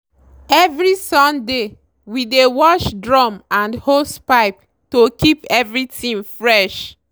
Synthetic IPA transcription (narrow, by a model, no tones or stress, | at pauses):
ɛvɹisɔ̃nde | widewɔʃdɹɔ̃mãndhospaɪp | tokʰipɛvɹitʰĩŋfɹɛʃ